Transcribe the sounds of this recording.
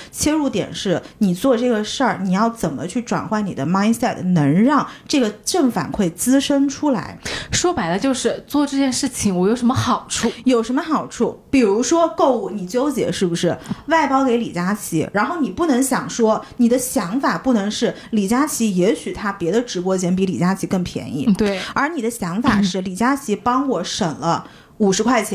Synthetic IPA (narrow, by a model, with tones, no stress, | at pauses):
t͡ɕʰjɛ˥ɻu˥˧t̪jɛ̰˨˩nʂɻ̩˥˩ni˨˩t͡swɔ˥˧ʈ͡ʂɤ˥˩ɡə˩ʂə˞˥˩ni˨˩jɑ˥˩ʊt͡sə˨˩nmə˦t͡ɕʰy˥˩ʈ͡ʂwa̰˨˩nxwa˥˩nni˨˩d̪ə˦ma˥ɪnsɛ˥˩t̪nɤ˧˥ŋɻɑ˥˧ŋʈ͡ʂɤ˥˩ɡə˩ʈ͡ʂɤ˥˩ŋfa̰˨˩nkʰwe˥˩ɪt͡sɹ̩˥ʂə˥nʈ͡ʂʰu˥la̰˧˥ɪʂwɔ˥pa˧˥ɪd̪ə˧t͡ɕjo˥˧ʊʂɻ̩˥˧t͡swɔ˥˧ʈ͡ʂɤ˥˧t͡ɕjɛ˥˧nʂɻ̩˥˩t͡ɕʰi˨˩ŋwɔ˧˥jo˨˩ʊʂə˧˥mə˧xɑ˨˩ʊʈ͡ʂʰu˥˩jo˨˩ʊʂə˧˥nmə˧xɑ˨˩ʊʈ͡ʂʰu˥˩pi˨˩ɻu˧˥ʂwɔ˥ko˥˧ʊu˥˩ni˨˩t͡ɕjo˥ʊt͡ɕjɛ̰˧˥ʂɻ̩˥˩bu˩ʂɻ̩˥˩wa˥˩ɪpɑ˥ʊke˧˥ɪlḭ˨˩t͡ɕja˥t͡ɕʰi˧˥ɻa˧˥nxo˥˩ʊni˨˩pu˥˩nɤ˧˥ŋɕjɑ˨˩ŋʂwɔ˥ni˨˩d̪ə˦ɕjɑ˧˥ŋfa˨˩pu˥˩nɤ˧˥ŋʂɻ̩˥˩ | li˨˩t͡ɕja˥t͡ɕʰi˧˥jɛ˧˥ɕy˨˩t̪ʰa˥pjɛ˧˥d̪ə˧ʈ͡ʂɻ̩˧˥pwɔ˥t͡ɕʰjɛ˧˥np̬i˧˥li˨˩t͡ɕja˥t͡ɕʰi˧˥kɤ˥˩ŋpʰjɛ̰˧˥nḭ˥˩t̪we˩ə˞˧˥ni˨˩d̪ə˦ɕjɑ˧˥ŋfa˨˩ʂɻ̩˥˩li˨˩t͡ɕja˥t͡ɕʰi˧˥pɑ˥ŋwɔ˨˩ʂə˨˩ŋlə˦ | u˨˩ʂɻ̩˧˥kʰwa˥˩ɪt͡ɕʰjɛ˧˥